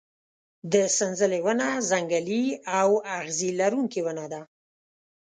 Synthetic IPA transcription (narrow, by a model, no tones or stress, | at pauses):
d̪əsənzəlewənazaŋɡaliawaɣzilaɾuŋkiwənad̪a